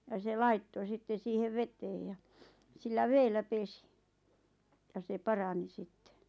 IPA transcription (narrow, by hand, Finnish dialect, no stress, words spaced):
jɑ se lɑitːo sitːe siːheʋ ʋeteːj jɑ silːæ ʋeːlːæ pesi jɑ se pɑrɑni sitːe